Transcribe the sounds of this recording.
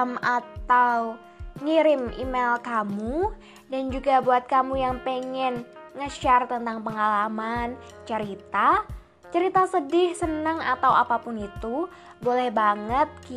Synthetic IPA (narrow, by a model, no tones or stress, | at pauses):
mat̪aw | ŋiɾɪmḭmelkamu | dand͡ʒuɡabuat̪̚kamujaŋpeŋɛn | ŋəʃart̪ənt̪aŋpəŋalaman | t͡ʃəɾit̪a | t͡ʃəɾit̪asədɪhsənəŋat̪awapapʊnit̪u | bolɛhbaŋət̪̚ki